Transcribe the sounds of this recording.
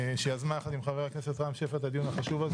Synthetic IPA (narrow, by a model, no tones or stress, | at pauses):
ʃejazmaaχat̪imχaveʁakneset̪ʁampʃefat̪ad̪ijunhaχaʃuvaz